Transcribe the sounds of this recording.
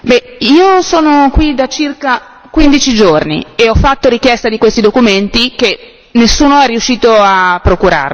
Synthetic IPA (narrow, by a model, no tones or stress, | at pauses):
bɛiːosoːnokwid̪at͡ʃirka | kwind̪it͡ʃid͡ʒornḭeɔfːat̪ːoɾikjɛst̪ad̪ikwest̪id̪okument̪ik̟e | nesːuːnoɛrːiuʃːiːt̪oapːɾokuɾa̰r